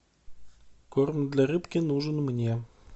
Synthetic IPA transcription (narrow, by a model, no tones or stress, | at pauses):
kormd̪lʲarɨpkʲɪnuʐɨnmnʲe